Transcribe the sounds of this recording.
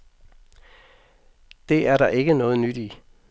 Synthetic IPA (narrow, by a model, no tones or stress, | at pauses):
d̥e̝æɐɾɑ̈ʔe̝ɡ̥ənɔ̽ːð̞̩ˠnyd̥i